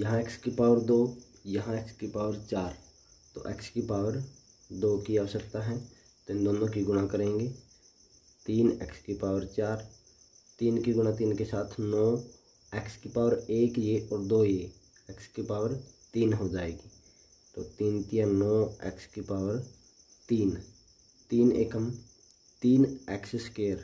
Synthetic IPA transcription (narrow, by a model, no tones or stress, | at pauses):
jəɦãekskipaːʋəɾd̪oː | jɐɦãekskipaːʋəɾt͡ʃaːɾ | t̪o̰ːʔɛ̰kskipaːʋəɾ | d̪oːkiaːsəkt̪aɦɛ̃ | t̪oɪnd̪oːnõkiɡʊnakəɾẽːŋɡeː | t̪iːnɛkskipaːʋəɾt͡ʃaːɾ | t̪iːnkiɡʊnat̪iːnkesaːt̪ʰnɔː | ɛːkskipaːʋəɾeːkjeʔɔːɾd̪oːjeː | ɛkskipaːʋəɾt̪iːnɦod͡ʒaːeːɡi | t̪o̰ːt̪iːnt̪ijanɔːɛ̰ːkskipaːʋəɾ | t̪iːn | t̪iːnḛːkəm | t̪iːnɛːksɪskeːəɾ